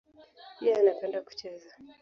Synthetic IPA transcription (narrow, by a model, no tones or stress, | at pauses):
ijaanapɛndaku̥t͡ʃɛza